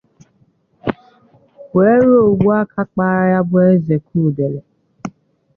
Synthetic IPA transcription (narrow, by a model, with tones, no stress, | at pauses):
ke˨˦ɾo˦˨ɡ͡bu˦a˦kʰa˦k͡pa˦ɾa˦ja˦bʊ˦e˦ze˨kʰuː˦˨de˨le˨